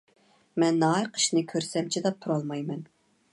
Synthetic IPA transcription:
mɛnːɑɑɾqʰə̥ʃnɨkʲʰøɾsɛmt͡ʃʰid̪ɑt̪ʰuɾɑlˠmɑjmɛn

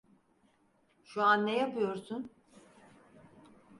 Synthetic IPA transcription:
ʃuanːejapɯjoɾsun

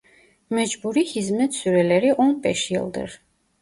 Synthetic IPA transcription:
mɛd͡ʒbuɾihizmɛt̪syɾɛlɛɾiʔɔnbɛʃjɛ̰lˠd̪ɨ̰ɾ

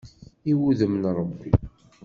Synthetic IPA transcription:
iwuðəmnɾˤəbːḭ

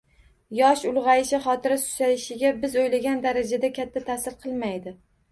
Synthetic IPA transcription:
jɒʃʊlˠʁɑjɪʃɪχɒt̪ʰɪɾasʊ̥sajɪʃɪɡʲabɪzojlaɡʲand̪aɾad͡ʒad̪akʲʰat̪ʰːat̪ʰasɪɾqʰɨlˠmajd̪ɪ

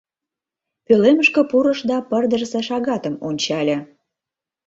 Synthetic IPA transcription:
pøleməʃkə̆puɾə̆ʃd̪ɑpərd̪ərseʃɑɣɑt̪əmonʲt͡ɕɑlʲĕ

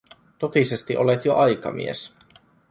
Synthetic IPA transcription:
t̪ot̪isest̪iʔolet̪joʔɑjkɑ̰mḭes

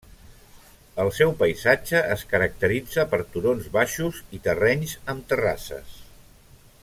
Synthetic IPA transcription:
əlˠsɛwpəjzad͡ʒəʔəskəɾək̚t̪əɾid͡zəpəɾt̪uɾonzβaʃuzit̪ərɛɲzəmt̪əra̰sə̰s

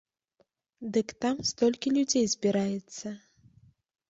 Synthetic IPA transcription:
d̪ɨkt̪amst̪ɔlʲkʲilʲud͡zʲejzʲbʲiɾajɛt̪sːɐ

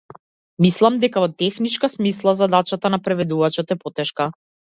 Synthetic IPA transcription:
mislˠamd̪ɛkavɔt̪ɛxnit͡ʃkasmislˠazad̪at͡ʃat̪anapɾɛvɛd̪uvat͡ʃɔt̪ɛpɔt̪ɛʃka

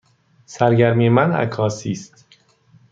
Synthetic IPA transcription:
sæɾɟæɾmiːmænæ̰kʰɒːsiːst̪

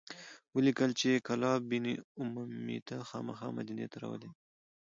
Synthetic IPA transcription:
wəlikəlt͡ʃekalɑbɪniʊmumḭt̪axɑmaxɑ̰ma̰d̪inḛt̪aɾa̰wə̰le

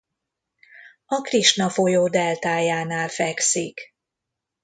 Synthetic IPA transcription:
ɒkriʃnɒfo̞joːd̪ɛlt̪aːjaːnaːlfɛksik

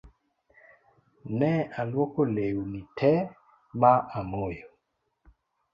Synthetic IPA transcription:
nɛalwɔkolewunitʰɛ | maʔamojo

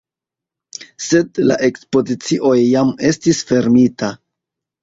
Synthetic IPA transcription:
se̞dla̰ʔe̞kspo̞zit͡siʔo̞jːame̞stisfe̞ɾmita

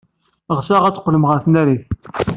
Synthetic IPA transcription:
ʁsaʁæt͡sːqːləmʁəɾθnæɾiθ

